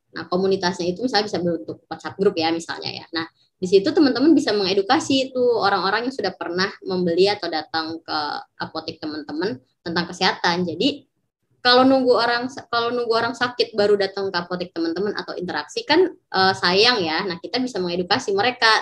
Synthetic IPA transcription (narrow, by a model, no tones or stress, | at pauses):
na̰hkomunit̪asɲait̪umisalɲabisabəɾunt̪ʊk̚pət͡ʃat̪̚ɡɾʊpjamisa̰lɲa̰ja̰nah | dis̬it̪ut̪əmənt̪əmənbisaməŋedukasiːt̪uoɾaŋoɾaŋjaŋsudahpərnahməmbəliat̪awdat̪aŋkə̰ʔa̰pot̪ɪk̚t̪əmənt̪əmən | t̪ənt̪aŋkəseɦat̪and͡ʒadi | kalonuŋɡuoɾaŋskalonuŋɡuoɾaŋsakɪt̪̚baɾudat̪aŋkəapot̪ɪk̚t̪əmənt̪əməna̰t̪awḭnt̪əɾaksikanʔəsajaŋjanahkit̪abisaməŋedukasiməɾeka